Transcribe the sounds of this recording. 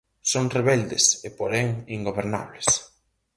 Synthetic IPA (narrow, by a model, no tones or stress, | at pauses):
soŋreβɛld̪esepoɾɛŋiŋɡoβeɾna̰βles